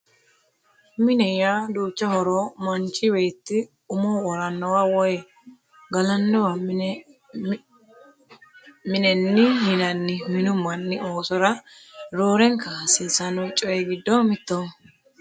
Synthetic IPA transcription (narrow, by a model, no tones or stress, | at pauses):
mɪnɛjaːd̪uːt͡ʃːɐhɔɾomɐnt͡ʃʼːɪweːt̪ːɪ | ʊmoːɔɾɐnːɔwaːwɔjɛ | ɡɐlɐnːɔwɐ | mɪnɛnːɪhɪnɐnːɪmɪnʊmːɐnːɪoːsɔɾɐɾoːɾɛŋkɐsɪːsɐnɔjt͡ʃʼɔjɛɡɪd̪ːɔmɪt̪ːo